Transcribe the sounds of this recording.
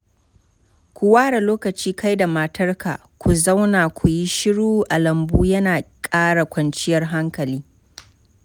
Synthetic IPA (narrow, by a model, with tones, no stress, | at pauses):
kʷu˨waː˦ɽa˨loː˦kɐ˨t͡ʃiː˦kʰa˦jda˨mɐ˨tʰɐ˦rka̰˨ | kʷu˨za˦wnaː˨kʷʰu˨ji˦ʃɪ˦ɽuː˦ʔa˨lɐ˨mbuː˦jɐ˦naː˨kʼaː˦ɽa˨kʷɐ˨nt͡ʃɪ˦jɐ˨rɦa˦ŋkɐ˨liː˦